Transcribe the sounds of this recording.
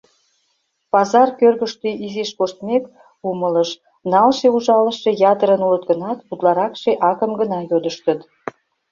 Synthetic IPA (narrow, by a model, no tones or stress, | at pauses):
pɑzɑrkørɣəʃt̪yizeʃkoʃt̪mek | umələʃ | nɑlʃeuʒɑləʃe̽jɑt̪əɾənulət̪̚ɡənɑt̪put̪lɑɾɑkʃeʔɑkəmɡənɑjod̪əʃt̪ət̪